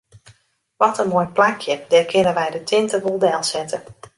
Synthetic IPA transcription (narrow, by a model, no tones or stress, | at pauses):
ʋɔtənmojplakʰjədɛkʰɪnəʋɛjdətʰɪntəʋolˠdɛlˠsɛtə